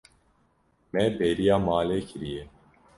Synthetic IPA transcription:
mɛpeːɾijaːmaːleːkʰɨɾijɛ

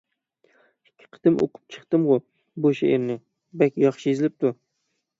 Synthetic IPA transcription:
ɪkʲʰːɪ̥qʰɨ̥t̪ɪmʔo̰qʰʊ̥p̚t͡ʃʰɨ̥χt̪ɨmʁʊ | boʃaeɾnɪ | bakʲjɒχʃɪjezlɪp̚t̪ʰʊ

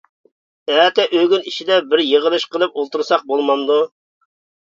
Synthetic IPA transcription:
ɛːt̪ɛʔøɡʲyniʃid̪ɛbɪɾjəʁəlˠɨʃqəlˠɨpolˠt̪uɾsɑq̚bolˠmɑnd̪u

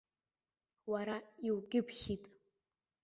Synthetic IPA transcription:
waɾaiwɡʲɪpʰχʲitʼ

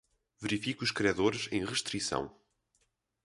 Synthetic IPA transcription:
vɨɾifikuuʃkɾiɐðoɾʃẽj̃ʁɨʃt̪ɾisɐ̰̃w̃

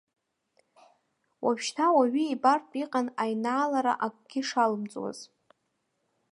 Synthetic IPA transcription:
wapʃtʰawaɥiibartʼiqʼanajnaːlaɾa̰ʔak̚ʷʼɡ̥ʲɪʂalɨmt͡sʼwa̰z̥

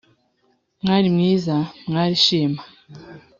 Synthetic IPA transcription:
ŋalimŋiːzamŋaɾiʃima

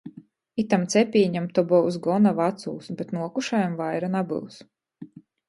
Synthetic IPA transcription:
it̪amt̪sɛpʲiːɲamt̪ɔbɔwsɡɔnavat̪sṵlˠsbɛt̪nuɔkuʃajamvajɾanabɨ̰lˠs

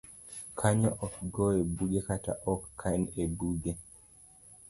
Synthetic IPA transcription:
kʰaɲɔʔɔk̚ɡɔebuɡekata̰ʔɔkːʰanebuɡe

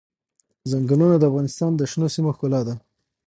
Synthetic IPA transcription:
zaŋɡalunad̪əafɣɑnɪst̪ɑnd̪əʃnosimoxkolɑd̪a

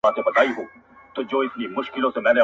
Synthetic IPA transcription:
aːt̪obɐt̪aːiɦoː | t̪od͡ʒoːɪsnimʊʃkɪlõsemɛ̃ːne

